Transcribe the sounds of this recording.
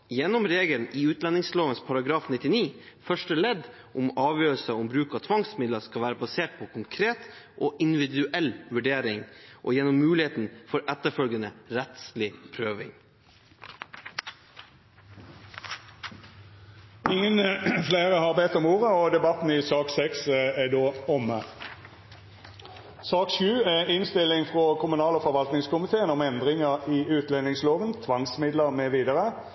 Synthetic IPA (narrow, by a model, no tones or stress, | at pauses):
jɛnːɔmɾeːɡəlnɪʉːt̪lɑnɪŋsloːʋənspʰɑɾɑɡɾɑːfnɪt̪ːɪniːfœʂʈəlɛd̪ | ʔʊmɑːʋjøːɾəlsəɔmbɾʉːkɑt̪ʰʋɑŋsmɪd̪ləskɑlʋæːɾəbɑseːʈ̚pʰɔkʰʊŋkʰɾeːt̪ʔoːʔɪnd̪ɪʋɪd̪ʉʔɛlʋʉɖeːɾɪŋʔo̰ːjɛnɔmːʉːlɪheːt̪n̩fɔɾʔɛt̪ːəfœlɡənəɾɛt̪slɪpʰɾøːʋɪ̰ŋ | ɪŋənfleːʁəhɑːʁbɛt̪ːɔmuːʁəɔd̪ɛbɑt̪n̩ɪsɑːksɛksɛd̪oːɔmə | sɑːkʃʉːɛɪnst̪ɪlɪŋfʁoːkʰʊmʉnɑːləfɔʁʋɑlt̪nɪŋskʊmɪt̪ʰeːənɔmɛnd̪ʁɪŋəʁiːʉːt̪lɛnɪŋsloːʋənt̪ʰʋɑŋsmɪd̪ləʁmeːʋiːd̪əʁə